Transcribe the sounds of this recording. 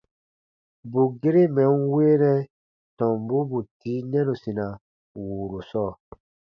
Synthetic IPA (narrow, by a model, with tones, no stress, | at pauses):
bu˨ɡe˦ɾe˦mɛ˨˦nweː˦nɛ˦ | tɔ̃˨mbu˦bu˨tiː˨˦nɛ̃˦nu˨sĩ˨na˨ | wuː˨ɾu˨sɔː˦˨